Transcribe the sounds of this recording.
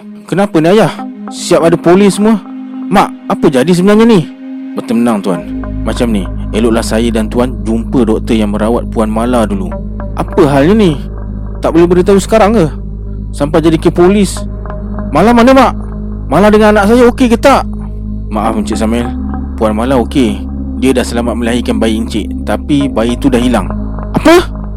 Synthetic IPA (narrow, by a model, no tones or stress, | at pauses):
kənapəniajahsiapadapolɪsəmuəmaʔapəd͡ʒadis̬əbənarɲani | bət̪əmənaŋt̪ua̰nmat͡ʃamnieloʔlahsajədant̪uand͡ʒumpədɔk̚t̪əjaŋməɾawa̰t̪̚puanmaladulṵ | ʔa̰pəɦalɲəni | t̪aʔbolɛhbəɾit̪ausə̥kaɾaŋkə | sampajd͡ʒadikəpolɪs | malamanəmaʔ | maladəŋananaʔsajaokekət̪aʔ | maʔafəɲt͡ʃɪʔsamɛl | puanmalaoke | diədahsəlamat̪̚məliaɦikanbaiʔəɲt͡ʃḛʔt̪apibait̪udahɦila̰ŋ | apə